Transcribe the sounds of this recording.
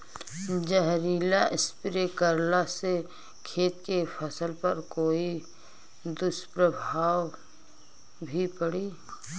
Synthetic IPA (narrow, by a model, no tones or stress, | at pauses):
d͡ʒəɦɾiːlaʔɪspɪɾekəɾlase | kʰeːt̪kepʰəsəlpɐɾkoːi | d̪ʊspɾəbʱaːw | bʱipəɽiː